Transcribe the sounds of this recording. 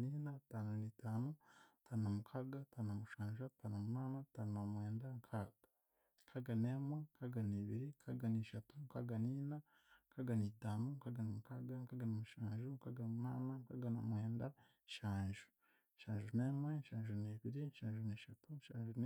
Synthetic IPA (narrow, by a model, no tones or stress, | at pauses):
ninataːnanitaːnutʰaːnnamukʰaɡatʰaːnamuʃaːnʒataːnamunaːnataːnnamweːndaŋkʰaɡa | ŋkʰaɡaneːmweŋkaɡaniβiɾikʰaɡaneːʃatuŋkaɡaniːna | ŋkaɡaniːtaːnuŋkaɡanamukaɡaŋkaɡanamuʃaːnʒuŋkaɡanmunaːnaŋkaɡanamweːnda | ʃaːnʒu̥ | ʃaːnʒunemwenʃaːnʒuneβiɾinʃaːnʒuneːʃatunʃaːnʒun